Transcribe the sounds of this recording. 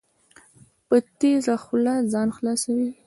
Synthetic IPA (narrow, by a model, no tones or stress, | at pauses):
pət̪ezaxʊlazɑnxlɑsawi